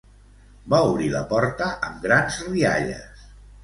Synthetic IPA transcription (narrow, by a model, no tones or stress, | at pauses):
bauβɾiləpɔɾt̪əʔəmɡɾanzria̰ʎə̰s